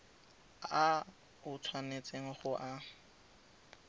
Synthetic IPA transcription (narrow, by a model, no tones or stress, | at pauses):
a | ʊt͡sʰwanet͡sʼeŋ̩χʊʔa